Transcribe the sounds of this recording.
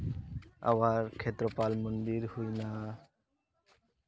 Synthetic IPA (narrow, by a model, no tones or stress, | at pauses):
a̰baɾkʰet̪ɾopalmond̪iɾhojna